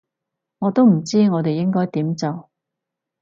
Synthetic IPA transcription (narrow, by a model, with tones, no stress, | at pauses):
ŋɔː˨˧t̪o˥wm̩˨˩t͡siː˥ŋɔː˨˧t̪e˨jɪ˥ŋkɔː˥jt̪iː˨˥mt͡sɐ˨w